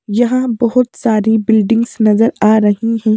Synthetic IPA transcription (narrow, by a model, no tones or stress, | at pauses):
jɐɦãbɐɦʊt̪saːɾibɪlɖɪ̃ŋɡsnɐzəɾaːɾɐɦiɦɛ̃ː